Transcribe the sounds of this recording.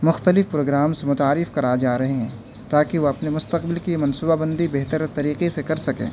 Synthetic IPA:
mʊxt̪əlɪfpɾoːɡɾaːmsemʊt̪aːɾɪfkɐɾaːd͡ʒaːɾɐɦeɦɛ̃ː | t̪aːkiʋoɐpnemʊst̪ɐqbɪlkimɐ̃nsuːbabɐ̃nd̪ibeɦt̪əɾt̪ɐɾiːqesekɐɾsɐkḛ̃ː

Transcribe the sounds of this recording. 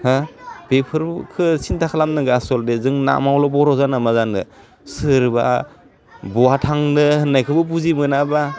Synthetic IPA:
habepʰɯɾkʰɯsintʰakʰalamnɯɡasɔldezɯŋna̰mawlɔbɔɾɔzanamazanɯ | sɯɾba̰ | bɔatʰaŋnɯhɯnːajkʰɯbɯbuzimɯnaba

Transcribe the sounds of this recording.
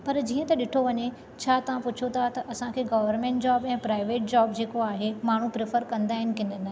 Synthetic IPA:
pɐɾd͡ʑiːə̃t̪ɐɗɪʈʰoʋɐɲe | t͡ɕʰaːt̪ɐʋãpʊt͡ɕʰot̪ʰat̪ɐʔɐsãkʰeːɡɐʋəɾmẽɳʈd͡ʑaːbɛ̃ːpɾaːɪʋeːʈ̚d͡ʑaːbd͡ʑeːkoaːɦemaːɳ̤upɾefəɾkɐ̃nd̪aːɦɪnɪ̆kɪ̃nəna

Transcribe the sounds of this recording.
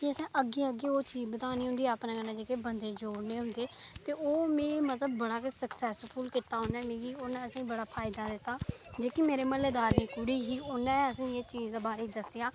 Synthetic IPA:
kiəsĩːʔəɡeːəɡeːoːt͡ʃiːzbət̪aːniːɦʊ̃nd̪iːaəpnãːkənãːd͡ʒeːkeːbənd̪eːd͡ʒoːɽneːɦʊ̃nd̪eːt̪eːʔoːmẽːmət̪ləbːəɽaːksəksɛːspʰuːlkɪt̪ːaːɦʊnɛːmĩːɡiːonɛ̃ːəsĩːbəɽaːpʰaːɪd̪aːd̪ɪt̪ːaːd͡ʒeːkimeːɾeːməleːd̪aːɾniːkʊɽiːɦiːonɛ̃ːəsĩːeːt͡ʃiːzd̪eːbaːɾiːd̪əsɪjaː

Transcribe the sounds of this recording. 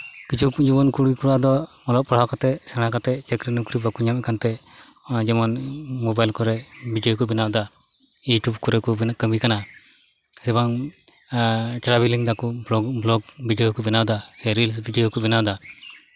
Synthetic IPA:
kit͡ʃʰud͡ʒubɔnkuɽikuɾad̪ɔmɔlɔpɔɽ̤akat̪ɛsɛɽ̃akat̪ɛt͡ʃɛkɾinukɾibakuɲamɛkant̪ɛ | d͡ʒɛmɔnmobajlkɔɾɛbʱidiɔkubinawd̪a | juʈubkɔɾɛkubnkəmikana | sɛbaŋ | tɾabeliŋd̪akubɔɡblɔɡbiɖijɔkubinawd̪aseɾils̬biɖijɔkubinawd̪a

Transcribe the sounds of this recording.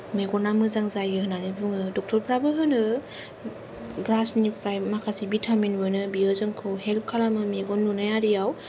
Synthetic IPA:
meɡɔnamɯzaŋzajɡɯɦɯnanibuŋɯdɔk̚tʰɔɾpɾabɯɦɯnɯ | ɡɾasnipɾajmakʰasibitʰaminbɯnɯbiɯzɯŋkʰɯwɦel̚kʰalamɯmiɡɔnːunajaɾijaw

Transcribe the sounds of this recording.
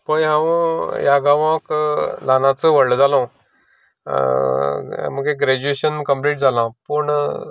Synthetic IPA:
pəɦãʋəjaɡãʋãklanat͡səʋəɽld͡zalõ | m̤əɡeɡɾɛd͡ʑueɕənkəmpleːʈ̚d͡zʱalãpəɳ

